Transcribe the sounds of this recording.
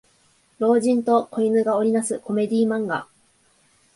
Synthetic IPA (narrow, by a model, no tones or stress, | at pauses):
ɾo̞ːʑĩnt̪o̞ko̞inɯɡao̞ɾʲinasɨko̞me̞d̪ʲiːmãŋɡa̰